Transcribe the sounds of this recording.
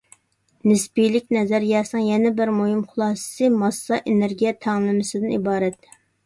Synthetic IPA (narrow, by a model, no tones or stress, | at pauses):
nɪsbijlɪkʲnɛzæɾjɛsnɨŋjɛnɛbɪɾmohimχʊlˠɑːsɨ̥sɨmɑsːɑʔeneɾɡʲijɛt̪ʰæŋlˠɨmɪsɪd̪ɪnibɑːɾɛt̪